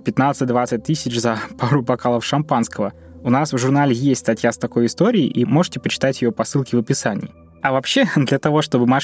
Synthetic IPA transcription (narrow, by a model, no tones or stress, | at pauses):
pʲɪt̪nat̪sɨt̚ʲd̪vat̪sɨt̚ʲt̪ɨsʲɪt͡ɕzɐpaɾʊbɐkalˠəfʂɐmpanskəvə | ʊnasvʐʊrnalʲɪjesʲtʲst̪ɐtʲjast̪ɐko̞jɪst̪o̞ɾʲɪːʔimo̞ʐɨtʲɪpət͡ɕɪ̥t̪atʲjɪjopɐsːɨlˠkʲɪvəpʲɪsanʲɪ̰ː | ɐvɐpɕːed̪lʲɐt̪ɐvo̞ʂt̪o̞bɨma